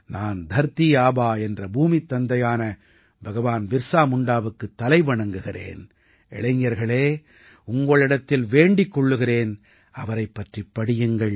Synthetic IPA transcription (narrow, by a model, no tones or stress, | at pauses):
naːnd̪ʱɐɾt̪ɪjaːbaːɛndrɐbuːmit̪ːɐnd̪ɐjaːnɐ | bʱɐɣɐʋaːnʋɪɾsaːmʊɳɖaːʋɯkːɯt̪ːɐlɐɪʋɐɳɐŋɡɯɣɪrḛːn | ʔɛ̰ɭɐŋjɐɾɣɐɭeː | ʊŋɡɐɭɪɽɐt̪ːɪlʋeːɳɖɪkːɔɭːɯɣɪreːn | ɐʋɐɾɐɪpːɐʈripːɐɽɪjɐŋɡɐɭ